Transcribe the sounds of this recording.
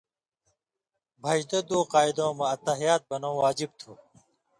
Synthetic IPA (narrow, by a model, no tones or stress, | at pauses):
bʱɐʑd̪ɐd̪oːqaːid̪õːmɐɐt̪ɐɦijaːt̪̚bɐnõːwaːd͡ʑib̚t̪ʰuː